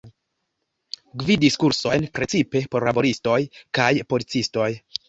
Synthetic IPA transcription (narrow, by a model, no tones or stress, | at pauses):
ɡvidiskuɾso̞jnpɾe̞t͡sipe̞po̞ɾlabo̞ɾisto̞jkajpo̞lit͡sisto̞j